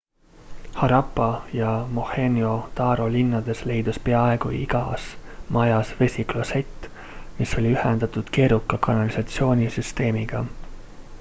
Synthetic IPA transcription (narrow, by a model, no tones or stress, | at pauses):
hɑɾɑpːˑɑjɑmo̞he̞nʲio̞t̪ɑːɾo̞linːɑd̪̥e̞sle̞jd̪̥uspe̞ɑe̞ɡ̥uiɡ̥ɑsmɑjɑsve̞sʲiklose̞t̪ːˑ | miso̞lʲiyhend̪ɑt̪ud̪̥ke̞ːɾukːˑɑkɑnɑlisɑt̪sio̞ːnʲisyst̪e̞ːmiɡ̥ɑ